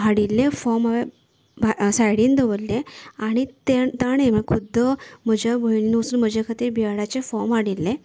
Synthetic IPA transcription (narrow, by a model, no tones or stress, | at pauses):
ɦaɽilːefɔɾmaʋe | basajɽiːnd̪əʋəlleaɽ̃it̪et̪aɽ̃ẽm̤əɳkʰud̪ʱːəm̤əd͡ʑʱabʱəjlinusuːnm̤əd͡ʑekʰat̪iːɾbʱiaɽat͡ɕefɔɾmɦaɽilːẽ